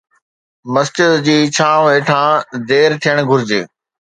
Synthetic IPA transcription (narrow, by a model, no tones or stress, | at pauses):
mɐst͡ɕɪd̪d͡ʑiːt͡ɕʰãːʋeːʈʰãːd̪eːɾt̪ʰijəɽ̃ɡʱʊɾɪd͡ʑeː